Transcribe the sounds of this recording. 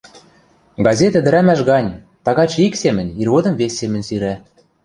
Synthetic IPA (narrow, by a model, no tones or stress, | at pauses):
ɡɑzʲet̪ɘ̆d̪ɘ̆ɾæmæʃɣɑnʲ | t̪ɑɣɑt͡ɕiksemɘ̆nʲirɣod̪ɤ̆mvesʲːemɘ̆nʲsyɾæ